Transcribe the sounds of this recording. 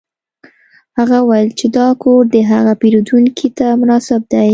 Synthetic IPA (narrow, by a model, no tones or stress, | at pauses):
haɣawajlt͡ʃed̪ɑkoɾd̪əɦaɣapeɾud̪uŋkʰit̪amʊnɑsɪb̚d̪aj